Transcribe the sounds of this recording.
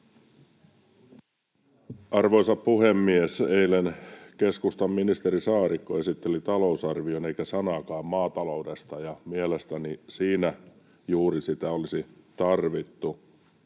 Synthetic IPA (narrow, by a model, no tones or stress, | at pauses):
ʔɑrʋo̞jsɑppuhe̞mːieseilenke̞skust̪ɑmːinist̪eɾisɑːɾikːoe̞sit̪ːelit̪ɑlousɑrʋio̞ne̞ikæsɑnɑkɑːmmɑːt̪ɑloude̞st̪ɑjɑmielest̪ænisiːnæ | juːɾisit̪æolisit̪ɑrʋit̪ːu